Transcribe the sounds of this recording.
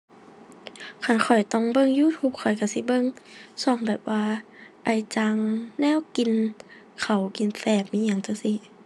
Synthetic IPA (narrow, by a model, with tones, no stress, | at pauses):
kʰa˧˩nkʰɔ˨˩jt̪ɔ˧˩ŋbɤ˧˨ŋjuː˧˥˨t̪ʰuː˧˩p̚kʰɔ˨˩jka˧˩si˧˦bɤ˧˨ŋsɔ˧˩ŋbɛː˨˩p̚waː˧ | ʔa˧˩jt͡ɕa˧ŋnɛː˧˥˨wki˨n | kʰa˨˩wki˨nfɛː˧˩k̚miː˧˥ɲa˧˨ŋt͡ɕa˧˩si˧˦